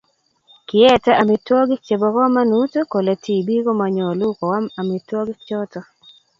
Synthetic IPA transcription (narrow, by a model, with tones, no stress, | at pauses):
kɪ˨ɛ˦tɛ˦ʔa˨mɪ˨twɔ˦ɡɪ˦kt͡ʃe˨bɔ˨kɔ˦ma˦nu˦tu˦ko˨le˨tʰi˦˨bi˦ɡo˦ma˨ɲɔ˨lu˦kɔ˨wa˦ma˨mɪ˨twɔ˦ɡɪ˦kt͡ʃɔ˦tɔ˨